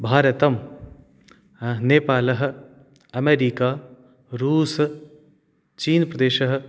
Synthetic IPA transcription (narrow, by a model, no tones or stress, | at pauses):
bʱaːɾɐt̪ɐm | neːpaːlɐɦ | ɐmeːɾiːkaː | ɾuːs | t͡ʃiːnpɾɐd̪eːʃəɦ